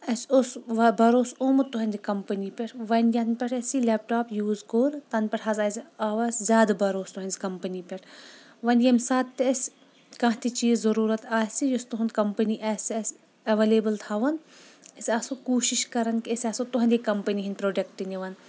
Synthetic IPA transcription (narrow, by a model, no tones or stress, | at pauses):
ɐsʲosʋɐbɐɾoːsoːmut̪uɦɐnʲd̪ikɐmpənipʲɐʈʰʋɐnjɐnpʲɐʈʰɐsilʲep̚ʈaːpjuːzɡoːɾt̪ɐnpʲɐʈʰɦɐzɐːzaːʋɐsʲzʲaːd̪bɐɾoːst̪uɦɐnʲzʲkɐmpɐnipʲɐʈʰ | ʋɐnjɐmsaːt̪t̪eɐs | kãːɦt̪it͡ʃiːzzɐɾuːɾɐt̪aːsʲijust̪uɦɐnkɐmpɐniʔɐsʲɐsʲ | ɐʋeːleːbɨlt̪ʰaːʋɐnɐsʲaːsokuːʃiʃkɐɾɐnkiɐsʲaːsot̪uɦɐnʲd̪ikɐmpɐniɦinʲpɾoːɖɐkʈiniʋɐn